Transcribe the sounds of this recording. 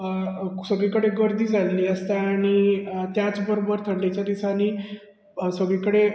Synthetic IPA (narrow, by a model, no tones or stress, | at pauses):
səɡɭikəɽeɡəɾd̪ʱiːd͡zʱalliːəst̪aːɽ̃it̪jat͡sbəɾobəɾt̪ʰəɳɖet͡ɕjad̪isani | səɡɭikəɽe